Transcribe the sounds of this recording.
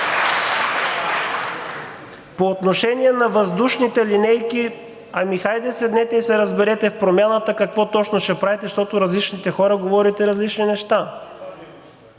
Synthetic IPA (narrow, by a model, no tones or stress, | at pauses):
poːt̪noʃɛniɛnɐvɐzd̪uʃnit̪ɛlinɛjki | ɐmixajd̪ɛsɛd̪nɛt̪ɛisɛɾɐzbɛɾɛt̪ɛfpɾomʲjanət̪əkɐkvɔt̪ɔt͡ʃnoʃɛpɾavɛt̪ɛʃt̪ɔt̪oɾɐzlit͡ʃnit̪ɛxɔɾəɡovɔɾit̪ɛɾɐzlit͡ʃninɛʃt̪a